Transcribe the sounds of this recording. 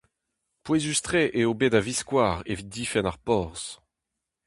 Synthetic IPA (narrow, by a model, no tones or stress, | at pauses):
pwezyst̪χeʔeobedaviskwaːʁḛvit̪̚d̪ifɛnaʁpɔʁs